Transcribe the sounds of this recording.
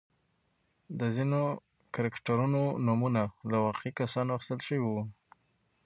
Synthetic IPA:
d̪əzino | kaɾakʈaɾunonumunalawɑqeikasɑnoaxɪ̥st̪əlʃəwiwu

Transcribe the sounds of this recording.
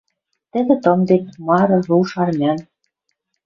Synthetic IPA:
t̪ə̆d̪ĕt̪ɤ̆md̪enmɑɾɤ̆ruʃɑrmʲæn

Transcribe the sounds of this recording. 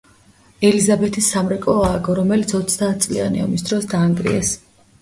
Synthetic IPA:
ɛlizabɛt̪ʰisːamɾɛkʼɔaːɡɔɾɔmɛlit̪sʰɔt̪sʰd̪aːt̪̚ʰt̪sʼlḭa̰nḭa̰misd̪ɾɔsd̪aːŋɡɾḭɛs

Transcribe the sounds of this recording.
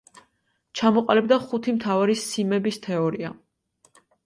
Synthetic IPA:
t͡ʃʰamɔqʼalɛbd̪aχut̪ʰimt̪ʰavaɾisimɛbist̪ʰɛɔɾia̰

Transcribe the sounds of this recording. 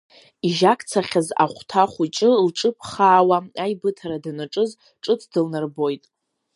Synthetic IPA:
iʒakʰʼt͡sʰaχʲaza̰χʷtʰaχʷut͡ʃʼɨlʈ͡ʂʼɨpʰʼχaːwaajbɨtʰaɾadanaʈ͡ʂʼɨz | ʈ͡ʂʼɨt͡sʰdɨlnarbo̞jtʼ

